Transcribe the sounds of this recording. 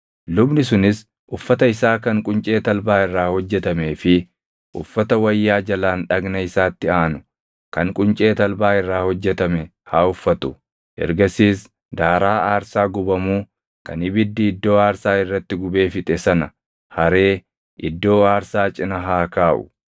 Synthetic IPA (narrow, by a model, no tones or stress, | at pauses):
lʊbnɪs̬ʊnɪs | ʔʊfːɐt̪ɐɪsaːkɐŋkʼʊnt͡ʃʼe̞ːt̪ɐlbaːɪrːaːhɔd͡ʒːɛt̪ɐme̞ːfɪ | ʔʊfːɐt̪ɐwɐjːaːd͡ʒɐlaːnᶑɐɡnɐɪsaːt̪ːɪaːnʊ | kɐŋkʼʊnt͡ʃʼe̞ːt̪ɐlbaːɪrːaːhɔd͡ʒːɛt̪ɐmɛ | haːʊfːɐt̪ʊ | ɛ̰ɾɡɐsiːs | d̪aːɾaːaːɾsaːɡʊbɐmuː | kɐ̰nɪbɪd̪ːɪːd̪ːo̞ːaːɾsaːɪrːɐt̪ːɪɡʊbe̞ːfɪt̪ʼɛsɐnɐ | hɐɾe̞ː | ʔɪd̪ːo̞ːaːɾsaːt͡ʃʼɪnɐɦaːkaːʔʊ̰